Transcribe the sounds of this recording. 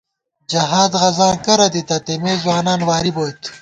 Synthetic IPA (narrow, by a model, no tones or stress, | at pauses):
d͡ʒɐɦaːd̪ʁɐːzãːkɐɾɐd̪it̪ɐt̪emeːzwaːnaːnwaːɾiboːjt̪